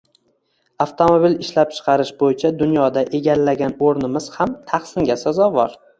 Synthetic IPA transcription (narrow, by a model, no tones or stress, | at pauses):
aft̪ʰo̞mobilɪʃlap̚t͡ʃʰɨ̥qʰɑɾɪʃbojɪt͡ʃʰad̪ʊnjɒd̪aʔe̞ɡʲallːaɡʲanoɾnɪmɪz̥hamt̪ʰɑχsɪŋɡʲasazɒvɒɾ